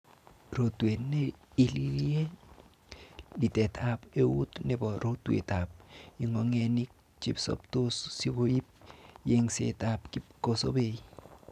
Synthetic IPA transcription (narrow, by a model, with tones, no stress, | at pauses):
ɾo˨twe˨tne˦i˦liɾje˦ | li˨tɛ˨t̪ʰape˦wṵ˦t̪nɛ˨bɔ˨ɾʔo˦t̪wḛ˨t̪a˨p̚i˨ŋɔ˨ŋe˨ni˦k̚ | t͡ʃḭ˦psɔ̰˨pt̪o˦ssi˦ko˦i˦p̚je˦ŋsḛ˨ta˨pki˦ko˦so̰˦be˨i